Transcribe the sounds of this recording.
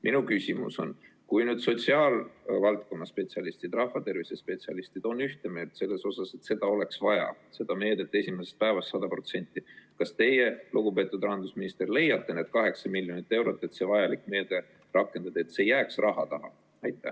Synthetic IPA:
mʔinukysʲimṵso̞̰n | kujnyːd̪̥so̞t̪siɑːlvɑlt̪̚ko̞nːɑspe̞t̪siɑlist̪id̪̥rɑhːɑt̪e̞rvisespe̞t̪siɑlist̪id̪̥o̞nːyht̪eme̞ːld̪̥se̞lːe̞so̞sɑse̞t̪se̞d̪̥ɑo̞le̞ksvɑjɑ̰ | se̞d̪̥ɑme̞ːd̪et̪ːˑe̞sʲimesest̪̚pæe̞vɑst̪ːɑd̪̥ɑpro̞t̪se̞nʲt̪ːikɑst̪e̞je̞luɡ̥upe̞ːt̪ːˑud̪̥ɑɦɑnd̪usminist̪erle̞jːɑt̪ːe̞neːd̪̥kɑɦe̞ksɑmilʲjo̞nit̪ːˑe̞wɾo̞t̪ːˑe̞t̪se̞ːvɑjɑlikːˑme̞ːd̪e̞ | rɑkːˑe̞nd̪̥ɑd̪eːt̪seːjːæːksrʔɑɦɑt̪ɑɦɑ̰ | ɑjt̪ːˑæ̰h

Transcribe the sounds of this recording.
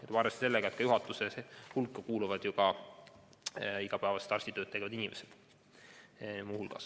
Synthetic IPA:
et̪vɑːɾest̪se̞lːeɡɑet̪kɑjuɦɑt̪ːˑuseshulkːɑkuːluvɑd̪̥jukɑ | iɡ̥ɑpæevɑse̥t̪ɑrsʲt̪it̪øːt̪t̪eɡ̥evɑd̪inʲimʔesed̪̥ | muːhulɡ̥ɑ̰s

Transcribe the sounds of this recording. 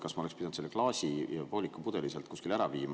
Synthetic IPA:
kɑsmɑolespid̪nd̪selːeklɑːsipo̞ːlʲikːˑupud̪̥e̞liselt̪̚kuskilæɾɑviːmɑ

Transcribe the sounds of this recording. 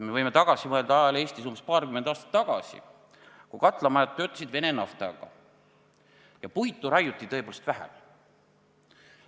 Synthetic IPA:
me̞vɤjmet̪ɑɡ̥ɑsimɤeld̪ɑɑjɑle̞ːsʲt̪is̬uːmbespɑːrkymend̪ɑːst̪ɑ̥t̪ːɑɡ̥ɑsḭ | kukɑt̪ːˑlɑmɑjɑt̪ːø̞ːt̪ːˑɑ̥sid̪ve̞nenɑft̪ɑ̰ɡ̥ɑ̰ | jɑpujt̪ːˑuɾɑjut̪ːˑit̪ɤ̞e̞poːlest̪væɦæ̰m

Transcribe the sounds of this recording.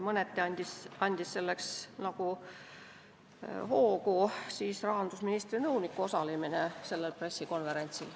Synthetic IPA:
mɤnet̪ːˑeɑnʲd̪̥isɑnʲd̪̥isːe̞lːe̞ksnɑku | ho̞ːkusiːsrɑɦɑnd̪̥usminist̪rinɤwnikːuo̞sɑliminese̞lːelpre̞sːiko̞nve̞ɾe̞nʲt̪sil

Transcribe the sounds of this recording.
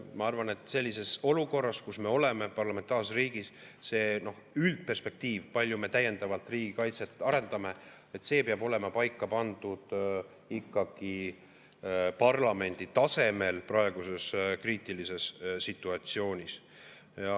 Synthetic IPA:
mɑɑrvɑne̞t̪ːˑse̞lʲːise̞so̞luko̞rːɑskusme̞o̞le̞me̞pɑrlɑment̪ˑɑːrssriːɡ̥isse̞ːno̞h | ylt̪̚pe̞rspe̞k̚t̪iːvpɑlʲːjume̞t̪æjːe̞nd̪̥ɑvɑlt̪ˑriːɡ̥ikɑjt̪set̪ːˑɑɾe̞nd̪̥ɑme̞ | e̞t̪se̞ːpeɑbo̞le̞mɑpɑjkˑːɑpɑnd̪̥ud̪̥ | ikːɑɡ̥i | pɑrlɑme̞nʲd̪̥it̪ɑse̞me̞lprɑe̞ɡ̥use̞skriːt̪ˑilise̞ssit̪ːˑuɑt̪sio̞ːnʲis | jɑ

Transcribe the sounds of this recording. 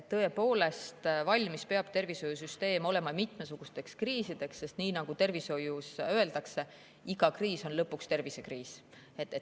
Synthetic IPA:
t̪ːɤ̞e̞po̞ːle̞st̪vɑlʲmispe̞ɑb̥̚t̪e̞rviso̞jus̬yst̪e̞ːmo̞le̞mɑmit̪ˑmesuɡ̥ust̪e̞kskriːsid̪̥e̞ksːe̞st̪niːnɑɡ̥ut̪e̞rviso̞jusø̞e̞ld̪̥ɑkse̞ | iɡɑkriːso̞nlɤpːˑukst̪e̞rvise̞kriːs | et̪ːe

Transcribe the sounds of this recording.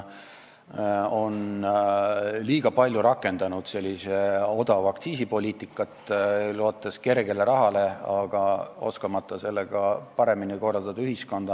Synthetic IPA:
o̞n | liːɡ̥ɑpɑlʲjuɾɑkːˑe̞nd̪̥ɑnud̪̥se̞lʲːise̞o̞d̪̥ɑvɑkt̪siːsipo̞lʲiːt̪ːˑikːˑɑt̪ːˑloːt̪ːˑeske̞rɡ̥e̞le̞ɾɑɦɑle̞ɑɡ̥ɑo̞̰skɑmɑt̪ˑːɑse̞lːeɡ̥ɑpɑɾe̞miniko̞rɑld̪ɑd̪̥ɑyɦisko̞nd̪̥ɑ

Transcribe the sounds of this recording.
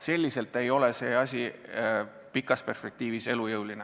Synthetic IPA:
se̞lʲːise̞lt̪e̞jo̞lese̞ːɑsʲi | pikːˑɑspe̞rspe̞k̚t̪iːvise̞lujɤwline

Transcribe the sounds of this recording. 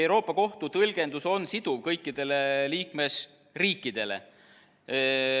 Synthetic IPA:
ewɾo̞ːpˑːɑko̞ht̪ut̪ɤlɡ̥e̞nd̪uso̞nsid̪uvkɤjkːid̪̥e̞le̞liːkme̞s | riːkːˑid̪̥e̞le̞̰

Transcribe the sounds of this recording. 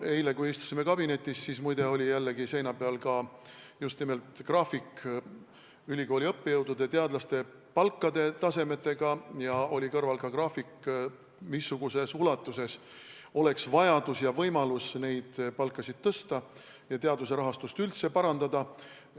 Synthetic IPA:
e̞jle̞kujist̪u̥sime̞kɑb̥ine̞t̪ʲːˑissismujd̪e̞o̞lʲijælːe̞ɡise̞jnɑb̥eɑlkɑjust̪nime̞lt̪ˑkrɑːfik | ylʲiko̞ːliɤpːejɤwd̪̥ud̪̥e̞t̪eɑd̪̥lɑst̪e̞ | pɑlkːˑɑd̪e̞t̪ɑse̞me̞t̪ːˑe̞ɡ̥ɑjɑo̞lʲikɤrvɑlkɑkrɑːfikːˑ | misːuɡ̥use̞sulɑt̪ːˑuse̞s | o̞le̞ksvɑjɑd̪̥usjɑvɤjmɑlusne̞jd̪̥pɑlkːˑɑsid̪̥̚t̪ɤst̪ɑ | jɑt̪eɑd̪use̞ɾɑɦɑst̪ust̪ylt̪se̞pɑɾɑnd̪ɑd̪ɑ

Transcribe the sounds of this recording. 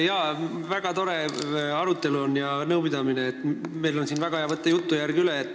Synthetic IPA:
jɑvæɡ̥ɑt̪o̞ɾe̞ɑɾut̪ːˑe̞luo̞njɑnɤwpid̪̥ɑmineːt̪ːme̞jlo̞nsiːnvæɡ̥ɑhejɑvɤt̪ˑːejut̪ːujærɡ̥iyleːt̪ːˑ

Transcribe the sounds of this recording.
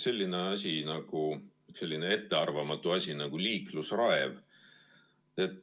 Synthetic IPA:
se̞lʲːine̞ɑsʲinɑɡ̥u | se̞lʲːinee̞t̪ːe̞ɑrvɑmɑt̪ːˑuɑsʲinɑɡ̥uliːklusrɑev | e̞t̪ː

